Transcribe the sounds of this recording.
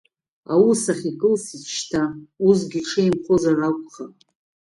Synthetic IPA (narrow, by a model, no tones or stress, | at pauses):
awusaχʲikʼɨlsit͡ʃtʰaus̬ɡʲiʈ͡ʂʰejmχozarakʷʼχa